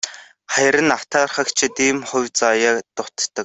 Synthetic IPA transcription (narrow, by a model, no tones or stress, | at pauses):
χæjɾə̆nḁt̪ʰaːrχə̆kt͡ɕʰɪ̆t̪iːmχʊwʲt͡sajat̪ʊt̪ːə̆k̚